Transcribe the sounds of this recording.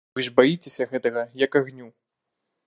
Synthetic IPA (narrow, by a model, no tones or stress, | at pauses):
vɨʐbajit͡sʲesʲɐɣɛt̪ɐɣɐjɐkaɣnʲu